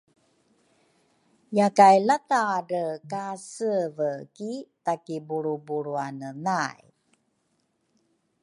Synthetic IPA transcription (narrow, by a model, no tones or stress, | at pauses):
jakajlataɾəkasəvəkitakibuɾubuɾuanənaj